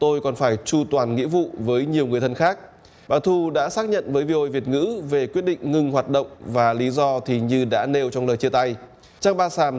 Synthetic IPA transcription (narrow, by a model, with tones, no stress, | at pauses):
t̪o˧jkɔ˨˩nfaː˧˩jt͡ɕu˧t̪waː˨˩nŋḭ˧˥vṵ˧˨vəː˨˦jɲi˨˩əwŋɨ˨˩əjt̪ʰə˧nxaː˦˥k̚ | ɓaː˧˩t̪ʰu˧ɗa̰ː˧˥saː˦˥k̚ɲə̰˧˨nvəː˨˦jvi˧ʔo˧jvi˨˩ət̚ŋɨ̰˧˥ve˨˩kwi˦˥ət̚ɗḭ˧˨ŋ̟ŋɨ˧ŋɦwaː˨˩t̚ɗə̰˧˨wŋ͡mvaː˨˩li˨˦zɔ˧t̪ʰi˨˩ɲɨ˧ɗa̰ː˧˥ne˧wt͡ɕɔ˧wŋ͡mləː˨˩jt͡ɕi˧ət̪a˧j | t͡ɕaː˧ŋɓaː˧saː˧˩m